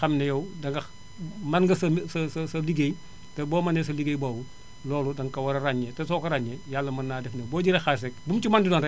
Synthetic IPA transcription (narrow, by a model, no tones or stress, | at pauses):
xɐmnɐjowdɐŋɡɐ | mɐnɡɐsɐsɐsɐsɐliɡej | tɛboːmɐnes̬ɐliɡejbowu | lɔːludɐŋkɐwɐɾɐɾaɲːetɐs̬okɐɾaɲːejalːɐmɐnːaːdɛfnɐboːɟiɾexas̬ekbumt͡ʃumandidɔːnrɛ